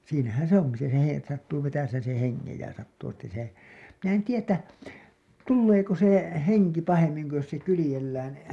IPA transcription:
siːnæhæn̞ se oŋki se he etːæ sɑtːuː ʋetæseːn̞ sen̞ heŋːej jɑ sɑtːuː etːæ se min en tiːjæ tːæ tulːeːko se heŋki pɑhemːiŋ ku jos se kylĭjelːæːn

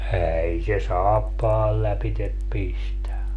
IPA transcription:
æːi se sɑːpːɑːl læpitep pistæ

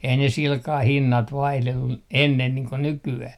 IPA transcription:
ei ne silkɑh hinːɑt ʋɑihlelːu enːen niːŋ ko nykyæh

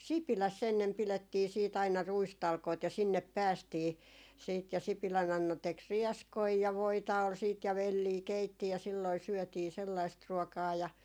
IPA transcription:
sipilæsː enːem piletːiː siːt ɑinɑ ruistɑlkoit jɑ sinːep pæːstiː siːt jɑ sipilæn ɑnːɑ tek riɛskoi jɑ ʋoitɑ ol siːt jɑ ʋelːiː keitːi jɑ silːoi syœˑtiː selːɑist ruɔkɑː jɑ

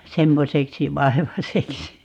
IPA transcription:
semːoseksi ʋɑeʋɑseksi

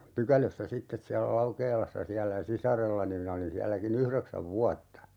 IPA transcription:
pykæløsːæ sitːes siælːæ lɑukeːlɑsːɑ siælːæ sisɑrelːɑni minæ olin siælːækin yhreksæʋ ʋuɑtːɑ

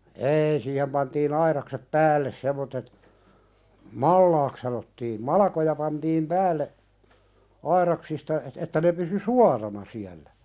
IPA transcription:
eːi siːhem pɑntiːn ɑiɾɑksep pæːlːes semːotːet mɑlːɑːk sɑnotːiːm mɑlɑkojɑ pɑntiːm pæːlːe ɑiɾɑksistɑ et etːæ ne pysy suɑrɑnɑ siælːæ

